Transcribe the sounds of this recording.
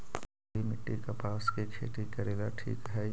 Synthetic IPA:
imɪʈːikapaːsket͡ʃʰḛːʈikɐɾeːɡaʈʰḭːkɦɛː

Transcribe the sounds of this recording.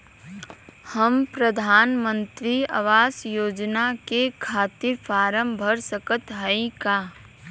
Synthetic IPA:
həmpɾəd̪ʱaːnmə̃nt̪ɾiɐ̰ʋaːsjoːd͡ʒnakekʰaːt̪ɪɾfaːɾəmbʱəɾsəkət̪ɦəĩkaː

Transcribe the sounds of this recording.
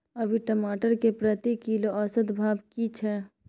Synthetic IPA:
əbʱiʈəmaːʈəɾkepɾət̪ikiloəsəd̪bʱaːbkit͡ʃʰɛː

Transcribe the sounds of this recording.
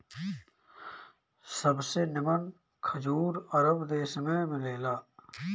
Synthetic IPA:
sɐbsenɪmɐn | kʰɐd͡ʑuːɾɐɾəbd̪eːsmẽmɪleːlaː

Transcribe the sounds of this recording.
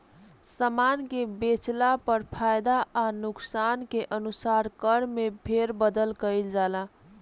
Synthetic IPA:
səmankebet͡ʃlapəɾpʰajd̪aanuksankeʔənusaɾkəɾmepʰeɾbəd̪əlkəjld͡ʒala

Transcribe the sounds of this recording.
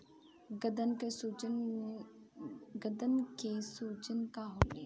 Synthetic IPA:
ɡəd̪ənkesud͡ʒn | ɡəd̪ənkesuːd͡ʒənkaɦoleː

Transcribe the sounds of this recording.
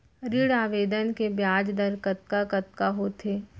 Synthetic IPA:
ɾiɽaːʋeːd̪ənkebjaːd͡ʒd̪əɾkət̪̚kakɐt̪kaɦot̪ʰeː

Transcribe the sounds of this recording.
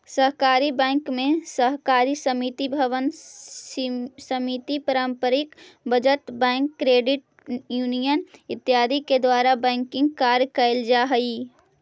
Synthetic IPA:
səɦkaːɾibɛ̃ːŋkmẽsəɦkaːɾisəmit̪ibʱəʋən | səmit̪ipəɾə̃mpəɾɪkbəd͡ʒəʈbɛ̃ːŋkːɾeːɖɪʈ | juːnijənɪt̪ːjaːd̪iked̪waːɾabɛ̃ːŋkɪ̃ŋɡkaːɾjkəɪld͡ʒaːɦəi

